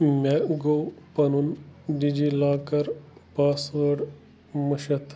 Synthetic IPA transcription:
meɡoːpɐnunɖid͡ʒilaːkɐɾpaːsʋɐɽ | muʃɐt̪ʰ

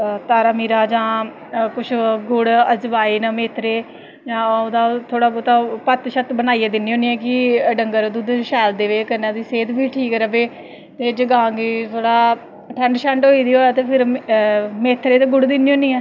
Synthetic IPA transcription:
t̪aːɾaːmiːɾaːd͡ʒãː | kʊt͡ʃʰɡʊɽəd͡ʒbaːiːnmeːt̪ʰɾeː | d͡ʒãːod̪aːt̪ʰoːɽaːot̪aːpət̪ʃət̪bənaːiɛːd̪ɪniːõːniːɛːk̬ɪɖəŋɡəɾd̪uːd̪ʃɛːld̪eːʋeːkəɾnãːd̪iːseːt̪bʱiːʈʰiːkɛːɾəbeː | t̪eːd͡ʒəɡãːɡiːt̪ʰoːɽaː | ʈʰəɳɖʃəɳʈɦoːiːd̪iːɦoːaːt̪eːpʰɪɾ | meːt̪ʰɾeːt̪eːɡʊɽd̪ɪnːiːɦõːniːɛː

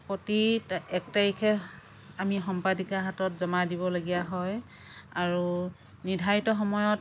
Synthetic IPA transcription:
potitɛk̚taɹikʰɛ | amixɔmpadikaɦatɔtzɔmadiβɔlaɡijaɦɔj | aɹu | nidʱaitɔxɔmɔjɔt̚

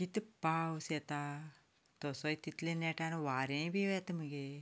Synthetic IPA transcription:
kit̪pawsjɛt̪a | t̪ɔsɔit̪it̪lenɛʈanʋaɾẽbʱiɛt̪məɡe

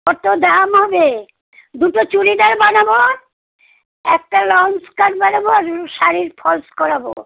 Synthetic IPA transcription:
ɔt̪od̪amɦɔbe | d̪uʈot͡ɕuɽid̪aɾbanabo | ɛk̚ʈalɔnskaɾbanaboɾʃaɾiɾpʰɔlskɔɾabo

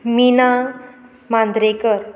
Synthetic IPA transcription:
mina | mãnd̪ɾekəɾ

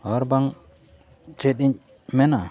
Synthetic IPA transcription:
ɔɾbaŋ | t͡ʃɛt̪̚iɲ | mɛna

